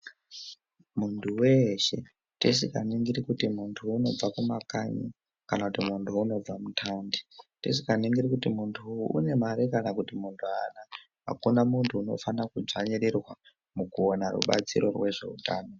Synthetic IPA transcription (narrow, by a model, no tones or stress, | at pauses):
muntʰuweʃe̞̰ | tis̬ikaniŋɡiɾikutimuntʰuːno̞b͡vakumakaɲi | kanakutimuntʰuuno̞b͡vamutʰanditis̬ikaniŋɡiɾikutimuntʰuṵne̞maɾikanakutimuntʰuana | ɦa̰kunamuntʰuːno̞̰fanakud͡zaɲeɾerwa | mukuonarṵɓa̰t͡siɾo̞̰rwe̞ʐe̞̰ṵtaːno̞